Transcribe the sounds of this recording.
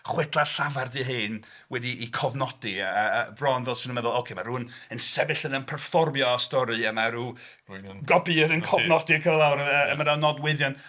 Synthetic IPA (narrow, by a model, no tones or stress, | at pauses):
χwɛtʰlˠarɬavardiɦɨːn | wɛdiʔikʰɔvnɔdibrɔnvɛlˠsənənmɛðʊlˠokʰemaɾuːənənsɛvɪɬənənpʰɛrfɔrmjɔɔstɔɾɨəmaɾuː | ɡɔbiəðɪnkʰɔvnɔdikʰəvlˠawɾəəəmadanɔdwɪðjɔn